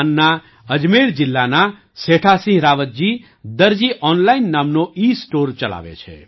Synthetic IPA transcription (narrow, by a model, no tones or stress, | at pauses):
nːa | əd͡ʒmeɽd͡ʒilːana | seʈʰasĩɦɾaʋət̪̚d͡ʒi | d̪əɾd͡ʒiʔɔnlainːamnoisʈoɾt͡ʃəla̰bḛt͡ʃʰḛ